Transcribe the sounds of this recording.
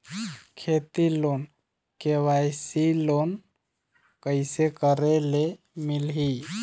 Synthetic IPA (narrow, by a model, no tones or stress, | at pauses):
kʰet̪ilon | kewajsilon | kəɪsekəɾele | milɦi